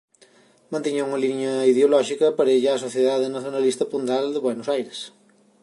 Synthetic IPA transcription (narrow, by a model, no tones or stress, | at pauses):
mɐ̃nt̪iɲauŋɐliɲɐiðeolɔʃikɐpɐɾeʎasoθjeðaðenɐθjonɐlist̪ɐpund̪ald̪eβwenosajɾes